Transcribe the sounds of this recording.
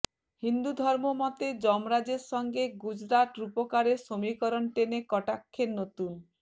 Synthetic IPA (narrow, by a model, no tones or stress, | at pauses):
hind̪ud̪ʱɔɾmomɔt̪ed͡ʒɔmɾad͡ʒeɾsɔŋɡeɡud͡ʒɾat̪ɾupɔkaɾesomikɔɾɔnʈ̪enekɔʈakʰːenot̪un